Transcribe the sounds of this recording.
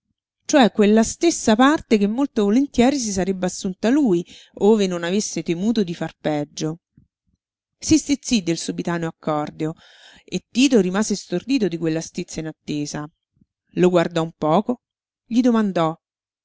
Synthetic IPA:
t͡ʃoɛkːwelːast̪esːapart̪ekemːolt̪ovolent̪jɛːɾis̬is̬aɾebːeasːunt̪aluːj | oːvenonavesːet̪emuːt̪od̪ifarpɛd͡ʒːo | sist̪it̪sid̪ːelsubit̪aːnoakːɔrd̪eo | et̪ːiːt̪oɾimaːzest̪ord̪iːt̪od̪ikwelːast̪it̪sːainat̪ːeːza | loɡward̪ɔumpɔːko | ʎid̪omand̪ɔ

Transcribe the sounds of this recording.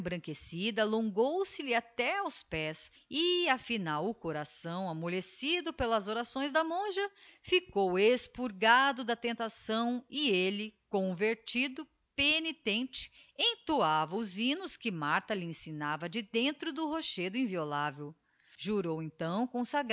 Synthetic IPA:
bɾɐ̃kesid̪ɐːlõŋɡowsɪlɪat̪ɛawspɛsɪafinawʊkoɾasɐ̃w̃amolesid̪ʊpelɐzoɾasõj̃zd̪ɐmõʒɐfikowespuɾɡad̪ʊd̪ɐt̪ẽnt̪asɐ̃w̃ɪelɪkõveɾt͡ʃid̪ʊ | penit̪ẽnt͡ʃɪ̥ẽj̃t̪oavɐʊzĩnʊskɪmaɾt̪ɐlɪẽsinavɐd͡ʒɪd̪ẽnt̪ɾʊd̪ʊhoʃed̪ʊĩviolavew | ʒuɾowẽnt̪ɐ̃w̃kõsaɡ

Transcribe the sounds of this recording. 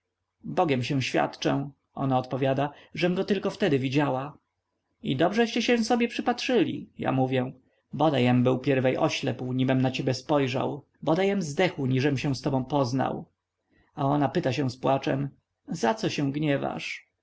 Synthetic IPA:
bɔɡʲɛmɕɛ̃w̃ɕfʲja̰t̪t͡ʂɛ | ʔɔ̰naɔt̪pɔvʲjad̪aʐɛmɡɔt̪ɘlkɔft̪ɛd̪ɘvʲid͡ʑawa | id̪ɔbʐɛɕt͡ɕɛɕɛ̃sɔbʲjɛpʂɘpatʂɘlʲḭja̰muvʲjɛ | bɔd̪ajɛmbɘwpʲjɛɾvɛjʔɔɕlɛpwɲibɛmnat͡ɕebʲjɛspɔjʐa̰w | bɔd̪ajɛmzd̪ɛxwɲiʐɛmɕɛ̃w̃st̪ɔbɔ̃w̃pɔzna̰w | aɔnapɘt̪aɕɛ̃spwat͡ʂɛ̰m | zat̪sɔɕɛ̃w̃ɡɲɛva̰ʂ

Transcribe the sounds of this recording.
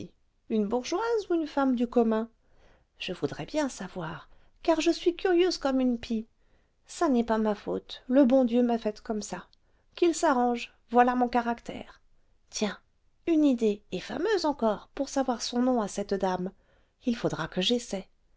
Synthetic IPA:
ynbuʁʒwazuynfamd̪ykɔmɛ̃ | ʒ̥əvud̪ʁɛbjɛ̃savwaʁ | kaʁʒəsɥikʲyʁjøzkɔmynpi | sanɛpamafot̪ləbɔ̃d̪jømafɛt̪kɔmsa | kilsaʁɑ̃ʒ | vwalamɔ̃kaʁakt̪ɛ̰ːʁ | t̪jɛ̃ | ynid̪eɛfa̰møzɑ̃kɔʁpuʁsavwaʁsɔ̃nɔ̃asɛt̪d̪am | ilfod̪ʁakəʒesɛ

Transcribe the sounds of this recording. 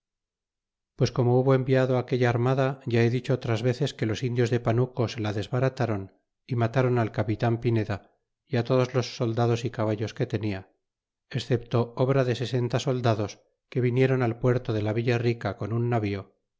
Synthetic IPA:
pwe̞sko̞mo̞uβo̞e̞mbiaðoake̞ʎaːɾmaðaʝae̞ðit͡ʃo̞ot̪ɾazβe̞θe̞ske̞losind̪jo̞zðe̞panuko̞selaðe̞zβaɾat̪aɾo̞n | imat̪aɾo̞nalkapit̪ampine̞ða | iat̪o̞ð̞o̞zlo̞sːo̞ld̪aðo̞sikaβ̞aʎo̞ske̞t̪e̞nia | e̞sθe̞p̚t̪o̞oβɾaðe̞se̞se̞nt̪aso̞ld̪aðo̞s | ke̞βinje̞ɾo̞nalpwe̞ɾt̪o̞ðe̞laβiʎarikako̞nunːaβio̞

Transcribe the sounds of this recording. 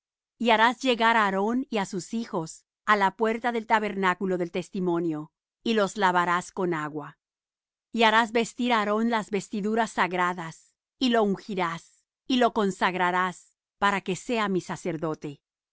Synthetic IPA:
iaɾazd͡ʒe̞ɣaɾaːɾo̞niasusixo̞s | alapwe̞ɾt̪aðe̞lt̪aβe̞ɾnakulo̞ðe̞lt̪e̞st̪imo̞njo̞ | ilo̞zlaβaɾasko̞naɣwa | iaɾazβe̞st̪iɾaːɾo̞nlazβe̞st̪iðuɾasːaɣɾaðas | ilo̞uŋxiɾas | ilo̞ko̞nsaɣɾaɾas | paɾake̞se̞amisase̞ɾðo̞t̪e̞

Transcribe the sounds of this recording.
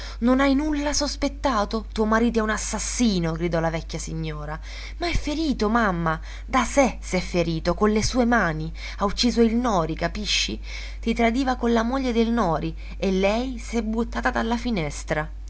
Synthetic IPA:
nonajnulːasospet̪ːaːt̪ot̪uːomaɾiːt̪̬oɛunasːasːiːnoɡɾid̪ɔlavɛkʲːjasiɲːoːɾa | maɛfːeɾiːt̪omamːa | d̪asesɛfːeɾiːt̪okonlesuːemaːni | aut͡ʃːiːzoilnɔːɾikapiʃːḭ | t̪it̪ɾad̪iːvakonlamoʎːed̪elnɔːɾi | elːɛjsɛbːut̪ːaːt̪ad̪alːafinɛst̪ɾa

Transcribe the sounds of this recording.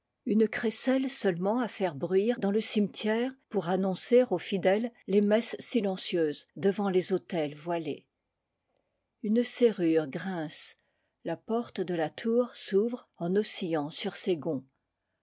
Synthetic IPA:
ynkχesɛlsœlmɑ̃afɛʁbʁɥiʁd̪ɑ̃ləsimt̪ʰjɛʁpuʁanɔ̃seʁofid̪ɛlːemɛsːilɑ̃sjøzd̪əvɑ̃lezot̪ɛlvwalḛ | ynseʁyʁɡʁɛ̃s | lapɔʁt̪d̪əlat̪ʰuːʁsuvʁɑ̃nosijɑ̃syʁseɡɔ̃

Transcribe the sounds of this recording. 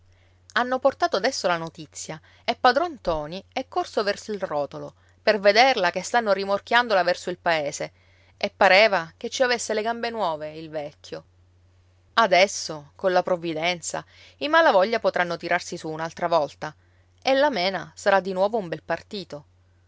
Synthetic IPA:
anːoport̪aːt̪oad̪ɛsːolanot̪it̪sːja | epːad̪ɾɔnt̪ɔːniɛkːorsovɛrsoilrɔːt̪olo | perved̪erlakest̪anːorimork̟jand̪olavɛrsoilpaeːse | epːaɾeːvak̟et͡ʃːiavesːeleɡambenwɔːveilvɛkʲʰːjo | ad̪ɛsːokonlapɾovːid̪ɛnt̪sa̰ | imalavɔʎːapot̪ɾanːot̪iɾʔarsisuːnalt̪ɾavɔlt̪a | elːamɛːnasaɾad̪ːinwɔːvoumbɛlpart̪iːt̪o

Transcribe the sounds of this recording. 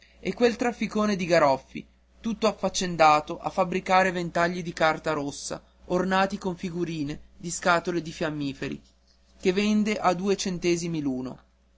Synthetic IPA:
ɛkːwelt̪ɾafːikoːned̪iɡaɾɔfːḭ | t̪ut̪ːoafːat͡ʃːend̪aːt̪oʔa̰fːabɾikaːɾevent̪aʎːid̪ikart̪aɾosːa̰ | ornaːt̪ikoɱfiɡuɾiːned̪iskaːt̪oled̪ifjamːiːfeɾḭ | kevend̪eʔad̪uːet͡ʃent̪ɛːzimiluːno̰

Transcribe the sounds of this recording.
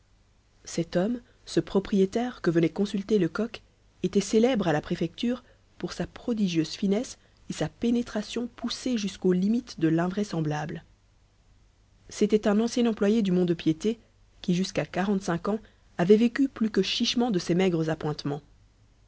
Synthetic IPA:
sɛt̪ɔm | səpχɔpχijet̪ɛʁkəvənɛkɔ̃sylt̪eləkɔk | et̪ɛselɛbʁalapχefɛk̚t̪yːʁ | puʁsapχɔd̪iʒjøz̥finɛs | esapenet̪χasjɔ̃puseʒyskolimit̪d̪əlɛ̃vʁɛsɑ̃blabl | set̪ɛt̪ɛ̃nɑ̃sjɛnɑ̃plwajed̪ymɔ̃d̪pjet̪e | kʲiʒyskakaʁɑ̃t̪sɛ̃kɑ̃ | avɛvekʲyplykəʃiʃmɑ̃d̪əsemɛɡʁəzapwɛ̃t̪mɑ̃

